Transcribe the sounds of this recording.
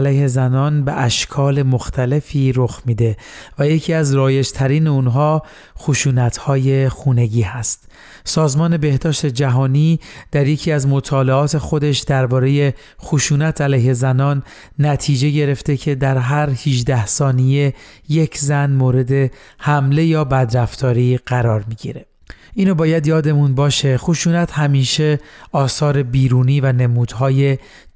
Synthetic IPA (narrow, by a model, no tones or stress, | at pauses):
læjhe̞zænɒːnbeʔæʃkʰɒːle̞moxt̪ʰæle̞fiːɾoxmiːd̪e̞væje̞cʰiːæzɾɒːje̞d͡ʒt̪ʰæɾiːneunɦɒː | xoʃuːnæt̪hɒːje̞xuːne̞ɟiːɦæst̪ | sɒːzmɒːne̞be̞hd̪ɒːʃt̪e̞d͡ʒæɦɒːniːd̪̥æɾjecʰiːæzmot̪ʰɒːleɒːt̪ʰe̞xo̞d̪e̞ʃd̪̥æɾbɒːɾe̞je̞ | xoʃuːnæt̪ʰælæjhe̞zænɒːnː | æt̪ʰiːd͡ʒe̞ɟe̞ɾe̞ft̪ecʰe̞d̪æɾɦæɾhiʒd̪æhsɒːnije̞je̞cʰzænmoːɾe̞d̪e̞ | hæmle̞jɒːbæd̪ɾæft̪ʰɒːɾiːɢ̥æɾɒːɾmiɟḭɾe | ʔiːnobɒːjæd̪jɒːd̪e̞munbɒːʃeχoʃuːnæt̪ʰhæmiːʃe̞ɒːsɒːɾe̞biːɾuːniːvænemuːd̪̥ɦɒːje̞